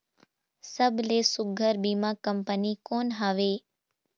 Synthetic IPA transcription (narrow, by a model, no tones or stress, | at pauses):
səbʱlesʊɡʱəɾbiːmãkəmpənikoːnɦaːʋeː